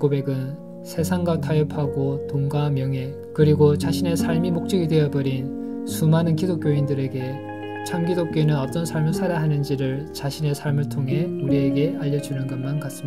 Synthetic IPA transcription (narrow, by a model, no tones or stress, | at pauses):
kobe̞ɡɯn | sʰe̞sʰaŋɡwatʰajʌpʰaɡotoŋɡamjʌŋɦe̞ | kɯɾiɡot͡ɕaɕʰine̞sʰaɭmimok̚t͡ɕ͈ʌɡidwe̞jʌbʌɾinsʰumanɯnkidok͈joindɯɾe̞ɡe̞ | t͡ɕʰamɡidok͈oinɯnʌp̚t͈ʌnsʰaɭmɯɭsʰaɾaɦanɯnd͡ʑiɾɯɭt͡ɕaɕʰine̞sʰaɭmɯɭtʰoŋɦe̞uɾie̞ɡe̞aʎːʌd͡ʑunɯnɡʌnmankas͈ɯmia